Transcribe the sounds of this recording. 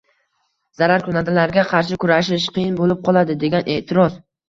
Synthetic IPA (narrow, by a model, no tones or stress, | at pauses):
z̥aɾaɾkʊnad̪alaɾɡʲaqʰɑɾʃɪkʰʊɾaʃɪʃqʰɨjɪnbolɪp̚qʰɒlˠad̪ɪd̪e̞ɡʲanʔeʔt̪ʰɪɾɒz̥